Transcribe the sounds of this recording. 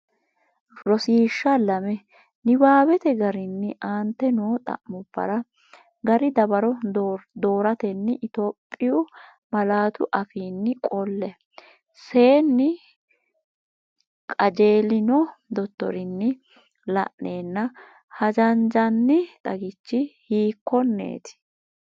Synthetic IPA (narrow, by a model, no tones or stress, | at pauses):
ɾɔsiːʃːɐlɐmɛ | nɪbaːbɛt̪ɛɡɐɾɪnːɪʔaːnt̪ːɛnoːt̪ʼɐ̰ʔmʊb̥ːɐ̰ɾɐ | ɡɐɾɪd̪ɐbɐɾɔd̪o̞ːɾɐt̪ɛnːɪʔɪt̪o̞ːpʼːɪjʊ | mɐlaːt̪ʊʔɐfiːnːɪkʼɔlːɛ | se̞ːnːɪ | kʼɐd͡ʒe̞ːlɪnɔd̪ɔt̪ːɔ̰ɾɪnːɪ | lɐ̰ʔneːnːɐ | hɐd͡ʒɐnd͡ʒɐnːɪt̪ʼɐɡɪt͡ʃːɪhiːkːɔnːḛːt̪ɪ̥